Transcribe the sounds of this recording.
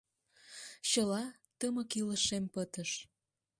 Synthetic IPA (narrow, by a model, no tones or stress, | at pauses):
ɕəlɑ | t̪əməkiləʃempət̪əʃ